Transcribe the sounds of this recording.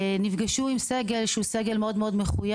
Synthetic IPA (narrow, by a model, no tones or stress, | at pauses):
nifɡaʃuimseɡe̞lʃeuseɡelmeo̞d̪meo̞d̪meχuja